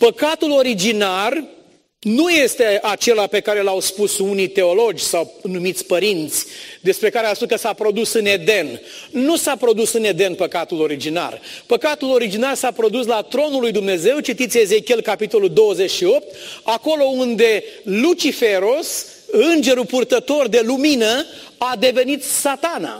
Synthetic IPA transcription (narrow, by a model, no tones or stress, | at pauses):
pəkat̪ulo̞ɾid͡ʒinar | nuje̞st̪eʔat͡ʃe̞lape̞kaɾe̞lawspusunijt̪e̞o̞lo̞d͡ʒʲsawnumit̪sʲpəɾint̪sʲd̪e̞spɾe̞kaɾeaspuskəsapɾo̞d̪usɨne̞d̪e̞nnusapɾo̞d̪usɨne̞d̪e̞npəkat̪ulo̞ɾid͡ʒina̰rpəkat̪ulo̞ɾid͡ʒinarsapɾo̞d̪uslat̪ɾo̞nulːujd̪umne̞ze̞wt͡ʃit̪it̪sʲeze̞kʲielkapit̪o̞luld̪o̞wəze̞t͡ʃʃio̞p̚t̪ako̞lo̞und̪e̞lut͡ʃifeɾos | ɨnd͡ʒe̞ɾupurt̪ət̪o̞rd̪e̞luminəad̪e̞ve̞nit̪sat̪ana̰